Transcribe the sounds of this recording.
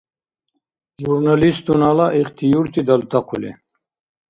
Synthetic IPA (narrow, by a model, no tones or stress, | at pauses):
ʒuɾnalist̪unalaʔiχt̪ijuɾt̪ʰid̪alt̪ʰaqʰulḛ